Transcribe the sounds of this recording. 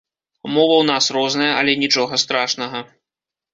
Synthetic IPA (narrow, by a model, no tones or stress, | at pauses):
mɔvɐwnasrɔznɐjɐʔɐlʲɛnʲit͡ʂɔɣɐst̪ɾaʂnɐɣɐ